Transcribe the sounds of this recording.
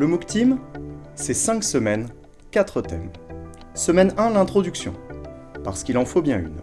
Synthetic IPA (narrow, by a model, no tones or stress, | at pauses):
ləmukt̪imsɛsɛ̃ksəmɛn | kʲat̪χət̪ɛm | səmɛnɛ̃lɛ̃t̪χɔd̪yksjɔ̰̃ | paʁsə̥kʲilɑ̃fobjɛ̃y̰n